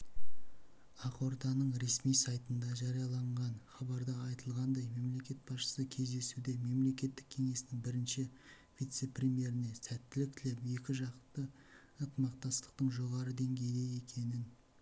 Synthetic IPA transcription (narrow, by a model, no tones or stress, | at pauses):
ɑqo̞ɾt̪ɑnəɴɾe̞smijsɑjt̪ənd̪ɑʒɑɾijɑlˠɑɴʁɑnχɑbɑɾd̪ɑɑjt̪əlˠʁɑnd̪ɑjme̞mle̞kʲe̞t̪̚bɑsʃə̥səkʲʰe̞zd̪e̞sud̪e̞me̞mle̞kʲe̞t̪ːɪkʲʰe̞ŋe̞sɪnɪŋbɪɾɪnʃɪ | vit̪se̞prʲemje̞ɾɪne̞sæt̪ːɪlɪk̚t̪ʰɪlepje̞kʲɪʒɑqt̪ə | ət̪əmɑq̚t̪ɑst̪ə̥q̚t̪əɴʒo̞ʁɑɾəd̪e̞ŋɡʲe̞jd̪eje̞kʲʰe̞nɪn